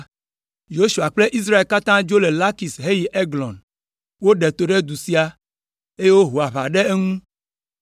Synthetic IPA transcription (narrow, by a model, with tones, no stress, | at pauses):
jo˦ʃu˨a˨k͡ple˦ʔi˦s̬ɾa˦e˨lka˦t̪ã˦d͡ʒo˦le˨la˦ki˨sɦe˦ji˨ʔe˦ɡlɔ̰̃˨n | wo˦ɖe˨t̪o˨ɖe˦d̪u˨si˦a˨ | e˦je˦wo˦ɦo˨a˨βa˨ɖe˦e˦ŋũ˦